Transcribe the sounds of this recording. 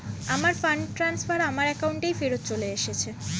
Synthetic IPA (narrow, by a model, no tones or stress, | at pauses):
amaɾfaɳɖʈɾansfaɾamaɾɛkawɳʈejfeɾot̪̚t͡ɕoleeʃet͡ɕʰe